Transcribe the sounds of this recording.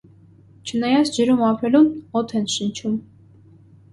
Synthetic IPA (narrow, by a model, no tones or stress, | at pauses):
t͡ʃʰənɑjɑt͡sʰd͡ʒəɾumɑpʰɾɛlunɔt̪ʰɛnʃənt͡ʃʰum